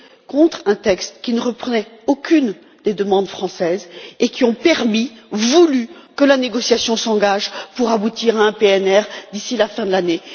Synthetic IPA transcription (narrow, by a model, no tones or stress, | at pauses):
kɔ̃t̪χɛ̃t̪ɛkst̪kʲinəʁəpχənɛokʲyn | d̪ed̪əmɑ̃d̪fχɑ̃sɛzekʲiɔ̃pɛʁmivulykəlaneɡɔsjasjɔ̃sɑ̃ɡaʒpuʁabut̪iʁaɛ̃peɛnɛʁd̪isilafɛ̃d̪əlane